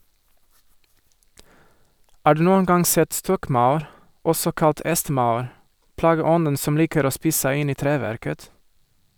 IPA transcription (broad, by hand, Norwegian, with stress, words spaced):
ˈɑː ˈɖʉː ˈnuːən ˈɡɑŋ ˈsɛt ˈstɔkˌmaʊɾ ˈɔsɔ ˈkɑt ˈʔɛstˌmaʊɾ ˌplɑːɡəˈɔnən ˈsɔm ˈliːkəɾ ˈoː ˈspiːs ˈsæɪ ˈɪn ˈiː ˈtɾeːˌʋæɾkət